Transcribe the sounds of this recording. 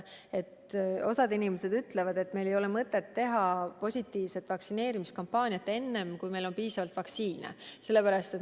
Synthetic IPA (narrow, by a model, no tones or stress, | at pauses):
e̞t̪o̞sɑd̪inimese̞d̪̥yt̪levɑd̪e̞t̪ːme̞jle̞jo̞lemɤt̪ːˑe̞t̪ːe̞ɦɑpo̞sʲit̪ːˑiːvse̞t̪ːˑvɑksine̞ːɾimiskɑmpːˑɑːnʲijɑt̪ːˑe̞nːe̞mkujme̞lo̞npiːsɑvɑlt̪vɑksiːnḛse̞lːe̞pæɾɑst̪e̞t̪